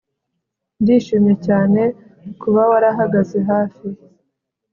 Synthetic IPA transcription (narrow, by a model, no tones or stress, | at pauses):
ndiːʃuɲecaːne̞ | kuβawaɾaɦaɡazeɦaːfi